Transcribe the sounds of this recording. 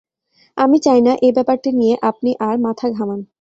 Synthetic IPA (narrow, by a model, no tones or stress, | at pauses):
amit͡ɕajnaʔebɛpaɾʈinijeʔap̚niʔaɾmat̪ʰaɡʱaman